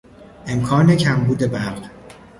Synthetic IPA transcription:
ʔe̞mkʰɒːne̞cʰæmbuːd̪e̞bæɾɢ

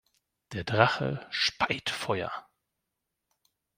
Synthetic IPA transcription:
d̥eːɐdʁaχə̰ʃpaɪtfɔʏɐ̰

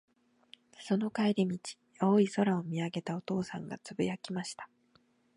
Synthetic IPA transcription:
so̞no̞kaeɾʲimʲit͡ɕi̥ | oːiso̞ɾao̞mʲiaɡe̞t̪ao̞t̪o̞ːsã̰ŋɡa̰t͡sɨbɯ̟jakʲimaɕi̥t̪ḁ

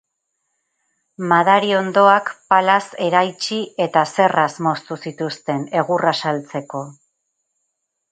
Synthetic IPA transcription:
maðaɾio̞nd̪o̞akpalase̞ɾajt͡ʃie̞t̪ase̞rasmo̞st̪usit̪ust̪e̞ne̞ɣ̞urasalt͡se̞ko̞

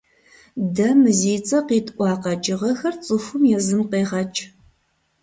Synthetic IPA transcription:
dɐmɨziːt͡sʼɐqiːtʼʔʷɑːqɐt͡ʃʼɪʁɐxɐrt͡sʼɨxʷʊmjɛzɨmqeːʁɐt͡ʃʼ

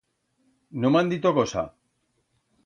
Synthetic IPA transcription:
nomand̪it̪okosa̰

